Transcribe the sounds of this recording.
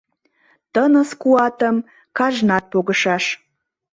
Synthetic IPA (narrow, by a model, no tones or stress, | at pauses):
tənəskuɑtʰəm | kʰaʒnat̪̚pʰoɡəʃaʃ